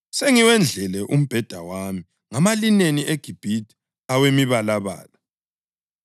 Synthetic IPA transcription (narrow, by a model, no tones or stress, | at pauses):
seŋiwɛnd͡ɮʱɛlɛʔum̩b̥ʱɛd̥ʱawami | ŋamalineniʔeɡ̥ʱib̥ʱidʰʼi̥ | awemiβalaβa̰ːla